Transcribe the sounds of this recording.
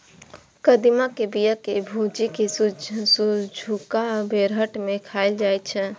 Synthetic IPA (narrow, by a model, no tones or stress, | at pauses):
kəd̪imakebijəkebʱud͡ʒikessud͡ʒʱukabeɾɦəʈmekʰaɪld͡ʒajt͡ʃʰɛ